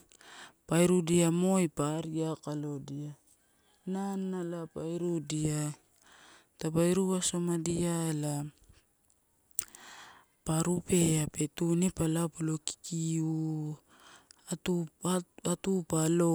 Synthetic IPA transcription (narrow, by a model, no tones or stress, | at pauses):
pajɾudiamo̞jpaɾiakalo̞dia | nanːalapajɾudia | tapajɾuaso̞madiaela | paɾupe̞ape̞tunipalapulo̞ki̥kiu | tuaatupalo̞